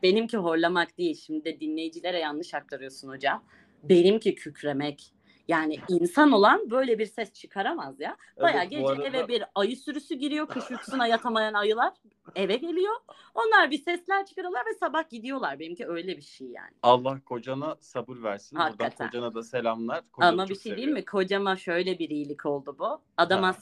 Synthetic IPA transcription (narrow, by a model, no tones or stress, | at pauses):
be̞nimciɦo̞ɾlˠamakd̪ijilʲʃimd̪id̪ɛd̪inlʲe̞jd͡ʒilʲeɾɛjanlˠɯʃak̚t̪ʰaɾɯjo̞sunho̞d͡ʒam | be̞nimcʰicʰycɾe̞mɛc | jaːniinsano̞lˠanbø̞jlʲɛbiɾsɛst͡ʃʰɯkʰaɾamazja | b̥ajaːɟed͡ʒɛɛvɛbiɾajɯsyɾysyɟiɾijo̞kʰɯʃjyksynajat̪ʰamajanajɯlˠaɾ̥ | evɛɟe̞lʲijo̞o̞nlˠaɾbisɛslʲæɾt͡ʃʰɯ̥kaɾɯjolˠaɾvɛsabahɟid̪ijo̞lˠaɾbenimciø̞jlʲɛbiʃejja̰ːnɪalˠːahkʰo̞d͡ʒanasabɯɾvæɾsinhak̪at̪ʰænanad̪aselʲamlˠaɾ̥k̪ʰamabiʃej̪ijilʲmikʰo̞d͡ʒamaʃø̞jlʲɛbiɾijilʲicʰo̞lˠd̪ubʊ | ad̪ama